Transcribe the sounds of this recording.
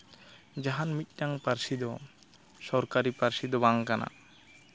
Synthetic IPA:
d͡ʒaɦanmit̪̚ˀʈaŋpaɾsid̪ɔ | sɔɾkaɾipaɾsid̪ɔbaŋkana̰

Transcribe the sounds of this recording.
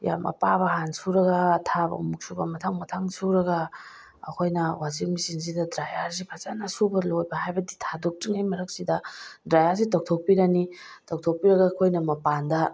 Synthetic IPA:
ja̰mʔɐ̰paβɐɦansuɾɐɡɐtʰabɐ̰ṵmuk̚subɐmɐtʰaŋmɐtʰaŋsuɾɐɡɐ | ɐ̰kʰojnɐwaziɾmisiŋs̬idɐdɾajaɾsipʰazanasubɐlojbɐɦajbɐditʰadok̚tiŋajmɐɾɐk̚sidɐdɾajaɾsitɐw̚tʰok̚piɾɐni | tʰɐw̚tʰok̚piɾɐɡaːkʰojnɐmɐpandɐ

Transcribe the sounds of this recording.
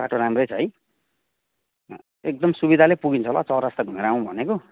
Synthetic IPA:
ba̰ʈʰoɾamrʌjt͡sʰʌɦj | ek̚d̪ʌmsubid̪ʱalepuɡint͡sʰʌlat͡sʌwɾast̪ʌɡʱumeɾaũbʱʌneko

